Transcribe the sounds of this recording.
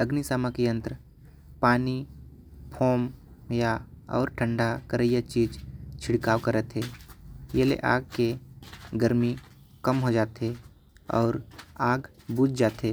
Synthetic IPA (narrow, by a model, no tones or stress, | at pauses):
əɡnisaːmakiə̃nt̪ɾ | paːni | pʰɔːmjaɔ̰ːɾʈʰə̃ɳɖʱakəɾəjat͡ʃiːd͡ʒt͡ʃʰɪɽkaːwkəɾət̪ɦɛːjelḛʔa̰ːɡ̚keɡəɾmi | kəmɦod͡ʒaːt̪ɦe | ɔːɾaːɡ | buːd͡ʒd͡ʒaːt̪ɦe